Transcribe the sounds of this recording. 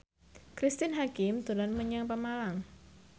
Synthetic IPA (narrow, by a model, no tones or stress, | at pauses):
kɾist̪ɪnɦakɪmt̪ulanməɲəŋpəmalaŋ